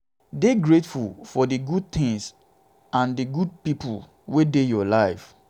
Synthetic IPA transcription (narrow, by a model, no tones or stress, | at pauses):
deɡɹetfulfɔdɨɡud̚t̪ʰɪ̃ŋs | ãndɨɡud̚pipul | wedejɔlaɪf